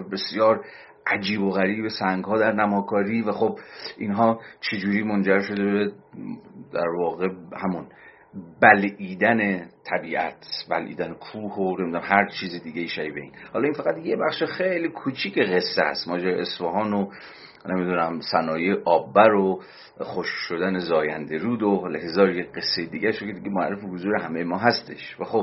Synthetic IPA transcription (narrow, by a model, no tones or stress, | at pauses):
be̞sjɒːɾ | ʔæd͡ʒiːboɣæɾiːbe̞sæŋɡhɒːd̪æɾnæmɒːkʰɒːɾiːvæxob̚ʔinɦɒːt͡ʃʰed͡ʒuːɾiːmond͡ʒæɾʃo̞d̪ebe | d̪̥æ̰ɾvɒːɣe̞hæmun | bæliːd̪æne̞t̪ʰæbiːʔæ̰t̪ʰbæ̰lʔḭːd̪ænekʰuːhonemid̪unæmhæɾt͡ʃʰiːzid̪iːɟejiːʃæɾiːbḛḭːnhɒlɒinfæɣæt̪jebæxʃexejlikʰut͡ʃʰiːkʰeɣe̞sːeæ̰st̪mɒːd͡ʒeɾeʔesfɒɦɒːno | nemid̪uːnæmsænɒːjeʔɒːbːæɾo | xoʃkʃod̪ænezɒːjænd̪eɾuːd̪olehezɒːɾjeɢesːejed̪iːɡæʃokʰʲed̪iɟemoæ̰rːefehozuːɾeɦæmejemɒːɦæst̪ʰe̞̰ʃvæxob